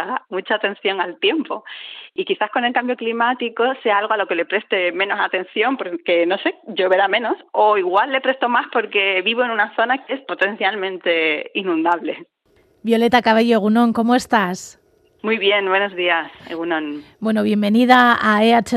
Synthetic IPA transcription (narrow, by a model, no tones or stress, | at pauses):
amut͡ʃaːt̪ẽ̞nθjo̞ŋalt̪je̞mpo̞ikiθasko̞ne̞lkambjoklimat̪iko̞se̞aalɣo̞alo̞ke̞lepɾe̞st̪e̞mẽ̞no̞sat̪ẽ̞nθjo̞mpoke̞no̞se̞ɟ͡ʝo̞βe̞ɾamẽ̞no̞so̞iɣwalːe̞pɾe̞st̪o̞maspo̞ɾke̞βiβo̞e̞nunaθo̞nakeespo̞t̪ẽ̞nθjalmẽnt̪e̞inũnd̪aβle̞ | bjo̞le̞t̪akaβ̞eʝoeɣunõ̞ŋko̞moe̞st̪as | mujβje̞nbwe̞no̞zðiasḛɣunõnbwe̞noβ̞je̞mbe̞niðaaeat͡ʃe